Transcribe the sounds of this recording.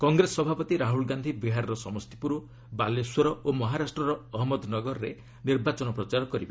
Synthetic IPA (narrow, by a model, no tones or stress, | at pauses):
kɔŋɡɾesɔbʱapɔt̪iɾaɦulɡand̪ʱibiɦaɾɔɾɔsɔmɔst̪i̥puɾu | baleswɔɾɔomɔɦaɾasʈɾɔɾɔɔɦɔmɔd̪nɔɡɔɾɔɾe | niɾbat͡ʃɔnɔpɾɔt͡ʃaɾɔkɔɾibe